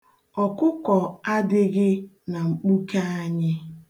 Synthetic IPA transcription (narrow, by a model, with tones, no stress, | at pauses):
ɔ˨kʊ˦kɔ˨a˦dɪ˦ɣɪ˦ | na˨ŋ͡m̩˨k͡pu˦ka˦a˦ɲɪ˦